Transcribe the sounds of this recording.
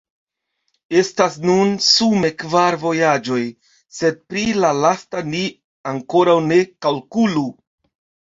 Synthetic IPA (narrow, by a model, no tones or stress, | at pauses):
e̞stasnunsume̞kvaɾvo̞jad͡ʒo̞j | se̞d̚pɾilalastani | aŋko̞ɾawne̞kalkulu